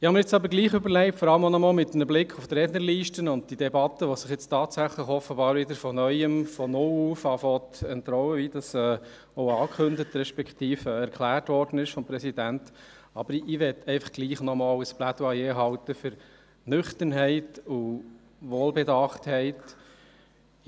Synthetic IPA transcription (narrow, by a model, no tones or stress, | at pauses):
ɪhɑməɾɛt͡sɑbəɾɡliːχɵbəɾlɛɪptfɔɾɑləmonɔmɑlmɪt̪ːmnəblɪkʰχuft̪ɾɛːnəɾliːʃtənʊnd̚d̥idɛbɑt̪ːəʋɔsɪχjɪt͡stɑːtsæχləχɔfəbɑːɾʋɪdəɾfɔnœʏəmfɔnʊluːfɑfɔt̪ɛnt̪ɾɔwəʋid̥ɑsɛː | ɔʊɑːkχɵndət̪ɾɛʃpɛkʰt̪iːfɛɾkʰlæːɾtʋɔɾdənɪʃfɔmpɾɛsidænt | ɑb̥əɾɪʋɛtɛɪfɑ̥χɡ̥liːχnɔmɑːləsplæd̥uɑjeːɦɑwt̪əfʏɾ | nʏχt̪ənɦɛɪtu | ʋoːlbɛdɑχthɛɪt